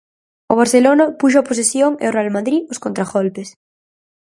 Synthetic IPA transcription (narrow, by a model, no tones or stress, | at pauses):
ʊ̰β̞aɾθelonapuʃ̬oapos̬esjoŋḛorealmaðɾiʊskont̪ɾaɣolpes